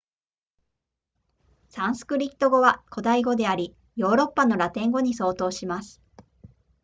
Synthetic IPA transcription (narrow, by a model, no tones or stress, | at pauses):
sãɰ̃sɨ̥kɯ̟ɾʲi̥t̪ːo̞ɡo̞βakʰo̞d̪aiɡo̞d̪e̞aɾʲi | jo̞ːɾo̞pːano̞ɾat̪ẽ̞ŋɡo̞ɲ̟iso̞ːt̪o̞ːɕimasɨ̥